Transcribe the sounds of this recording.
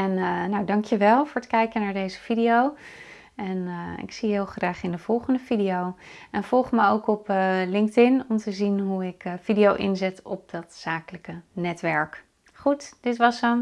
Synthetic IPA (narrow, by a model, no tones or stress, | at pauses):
ɛnnawdɑŋkjəʋɛlˠvʊːɹətkɛjkənaːɹdejzəv̥idiow | ɛnɪ̰ksiɦɪːlˠχraːχɪndəv̥ɔlˠχəndəvidijowɛnv̥ɔlˠχməowkɔpəlɪŋktɪnɔmtəzinɦuɪkfidijowʔɪ̰nzɛtɔp̚dɑtsaːkələkənɛtʋɛɹk | χutd̥ɪtʋɑsən